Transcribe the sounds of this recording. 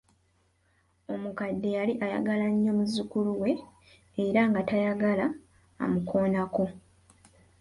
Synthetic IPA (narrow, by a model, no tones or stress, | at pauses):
o̞mukadːe̞jaliʔaja̰ɡalaɲːo̞muzukuluwe̞ː | ɾaŋɡatajaɡala̰ː | mukʰo̞ːnako̞